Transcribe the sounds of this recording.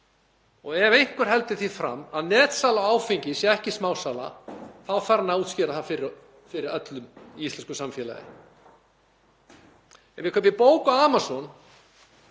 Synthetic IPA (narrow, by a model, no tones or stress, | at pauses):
ɔɣɛvejŋ̥kʰʏɾ̥ɦɛlt̪ɪθiðfɾa̰mːaðnɛːt̪saːlawaːwfiɲcɪsjɛɛhcɪsmaːwsaːla̰θaðfaɾnauːt̪scɪːɾaθafɪɾɪ | fɪɾɪɾœt̪lʏmiist̪ɛnskʏsamfjɛːla̰ðɪ̰ | ɛnvɪkʰœpvɪpoːwkaaːmasɔn